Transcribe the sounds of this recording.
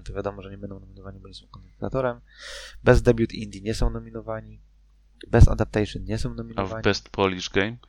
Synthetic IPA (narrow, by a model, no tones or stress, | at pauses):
t̪ɔvjad̪ɔmɔʐɛɲɛbɛnd̪ɔ̃wnɔmʲinɔvaɲibɔɲɛsɔ̃w̃kɔnɛt̪a̰t̪ɔɾɛmbɛzd̪ɛbʲjut̪ind̪ʲjiɲɛsɔ̃w̃nɔmʲinɔvaɲi | bɛsa̰d̪ap̚t̪ɛjʂɨnɲɛsɔ̃w̃nɔmʲinavbɛst̪pʰɔlʲiʐɡɛjm